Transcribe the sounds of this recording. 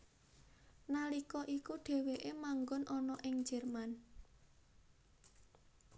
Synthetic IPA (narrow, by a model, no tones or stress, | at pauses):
nalikɔʔikuɖ̥e̤weʔemaŋɡɔnʔɔnɔʔɪŋd͡ʒ̥ɛ̤rman